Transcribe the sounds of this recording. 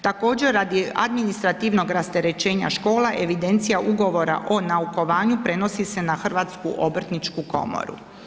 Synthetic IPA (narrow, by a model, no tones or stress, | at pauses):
t̪ako̞ːd͡ʑeɾːad̪ia̰d̪minist̪ɾat̪iːʋno̞ɡɾast̪e̞ɾe̞t͡ɕe̞ːɲa̰ʃko̞ːlaʔe̞ʋid̪e̞nt̪sijaʔuɡo̞ʋo̞ɾa̰ʔo̞nauko̞ʋaːɲupɾe̞no̞sise̞naxr̩ʋaːt̪skuʔobr̩t̪nit͡ʃkuko̞̰mo̰ɾṵ